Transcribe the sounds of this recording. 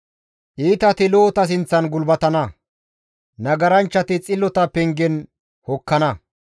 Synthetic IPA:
ʔiːt̪ɐt̪ɪloːt̪ɐs̬ɪnt͡sːɐnɡʊlbɐt̪ɐnɐ | nɐɡɐɾɐnt͡ʃːɐt̪ɪt͡sʼɪlːɔt̪ɐpɛŋɡɛn | hɔkːɐnɐ

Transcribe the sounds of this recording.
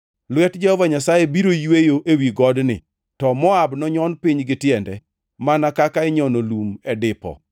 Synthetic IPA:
lwɛtd͡ʒahɔvaɲasajebiɾojwejoʔewiɡɔdnɪ̰ | tɔmɔabnɔɲɔnpɪɲɡɪtjɛndɛ | manakakaɪɲɔnolumɛdɪpɔ̰

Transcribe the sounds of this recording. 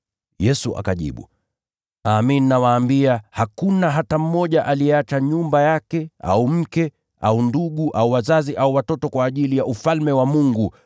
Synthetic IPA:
jɛsuʔa̰kaʄḭɓṵ | aːmininawaːmbiahakunaɦatam̩mɔʄaʔaliɛat͡ʃaɲumbajakɛa̰um̩kɛ | a̰unduɠuʔauwazaziʔauwatɔtɔkwaːʄilijaʔufalmɛwamuŋɡu

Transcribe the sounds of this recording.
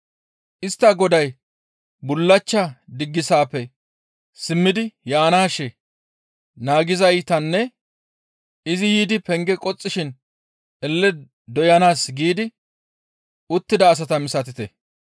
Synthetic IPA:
ʔɪst̪ːɐɡɔd̪ɐj | bʊlːɐt͡ʃːɐd̪ɪɡːɪsaːpːɛ | sɪmːɪd̪ɪjaːnaːʃɛ | naːɡɪzɐjt̪ɐnːɛ | ɪzɪjiːd̪ɪpɛŋɡɛkʼɔt͡sʼːɪʃɪn | ɛlːɛ | d̪ɔjɐnaːsɡiːd̪ɪ | ʊt̪ːɪd̪ɐːs̬ɐt̪ɐmɪsɐt̪ɪt̪ɛ

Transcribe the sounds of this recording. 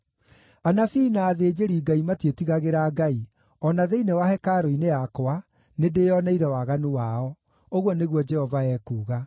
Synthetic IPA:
anafinaːðed͡ʑeɾiːɡaimatietiɣaɣeɾaːɡai | ɔnaðeinewahɛkaːɾoinejakoa | nedejɔnɛiɾɛwaɣanuwaɔ | oɣwɔneɣwɔd͡ʒɛhɔvaɛːkuːɣa

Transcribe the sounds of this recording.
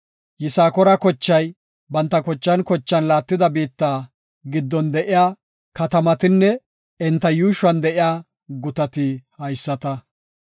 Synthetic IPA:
jɪsaːkɔɾɐkɔt͡ʃːɐj | bɐnt̪ːɐkɔt͡ʃːɐnkɔt͡ʃːɐnlaːt̪ːɪd̪ɐbiːt̪ːaː | ɡɪd̪ːɔnd̪ɛʔɪjaː | kɐt̪ɐmɐt̪ɪnːɛ | ɛnt̪ːɐjuːʃwɐnd̪ɛʔɪjaː | ɡʊt̪ɐt̪ɪhɐjsːɐt̪ɐ

